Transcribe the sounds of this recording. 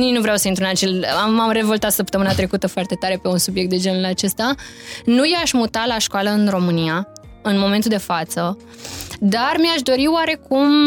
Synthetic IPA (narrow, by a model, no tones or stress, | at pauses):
nijnuvɾeawsəint̪ɾuɨnat͡ʃe̞laamre̞vo̞lt̪at̪səpt̪əmɨnat̪ɾe̞kut̪əfoart̪e̞t̪aɾe̞pe̞unsubjek̚t̪d̪e̞d͡ʒe̞nulat͡ʃe̞st̪a | nujaʃmut̪alaʃkoaləɨnro̞mɨnia | ɨnmo̞me̞nt̪uld̪e̞fat̪sə | d̪armiaʃd̪o̞ɾiowaɾe̞kum